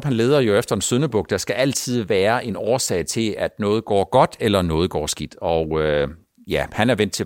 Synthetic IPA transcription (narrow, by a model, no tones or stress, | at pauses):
b̥hænle̝ːð̞ˠɐjo̝efd̥ɐe̝nsøðˠnəb̥ɔ̽ɡ̥̚d̥ɑ̈sɡ̥æʔæl̰t͡sʰið̞̰ˠʋæːɐʔe̝nɒːsɛ̰ɪt͡sʰe̝læd̥nɔ̽ːð̩ˠɡ̥ɒ̰ːɡ̥ɒ̽d̥elɐnɔ̽ːð̞̩ˠɡ̥ɒ̰ːsɡ̥id̥ɒʊø | jæhænæɐʋen̰d̥t͡sʰe̝